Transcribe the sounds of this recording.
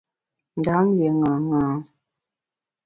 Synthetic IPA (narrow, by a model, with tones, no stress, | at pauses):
n˨da˨˦ŋ˦be˨ŋa˨ŋa˨˦